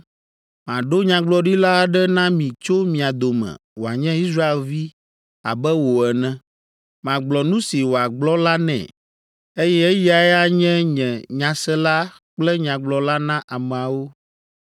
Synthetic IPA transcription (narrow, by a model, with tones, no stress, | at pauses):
mã˨ɖo˦ɲã˨ɡ͡blɔ˨ɖi˦la˦ɖɛ˦nã˦mĩ˨t͡ʃo˦mĩ˨a˨d̪o˨mɛ̰̃˨wo˨a˨ɲɛ̃˦i˦sɾa˦e˨lvi˦ | a̰˨bɛ˦wo˨ɛ˨nɛ̃˦ | mã˨ɡ͡blɔ˨nũ˦si˨wo˨a˨ɡ͡blɔ˦la˦nɛ̰̃˨ | e˦jɛ˦ɛ˦ji˦a˨ɛ˦a˦ɲɛ̃˦ɲɛ̃˨ɲã˨sɛ˦la˦ | k͡plɛ˦ɲã˨ɡ͡blɔ˦la˦nã˦ʔa˨mɛ̃˨a˨wo˦